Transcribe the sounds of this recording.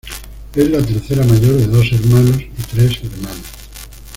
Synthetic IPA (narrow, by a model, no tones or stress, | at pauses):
ezlat̪e̞ɾθeɾamaʝo̞ɾðe̞ðo̞se̞ɾmãnosit̪ɾe̞seɾmãnos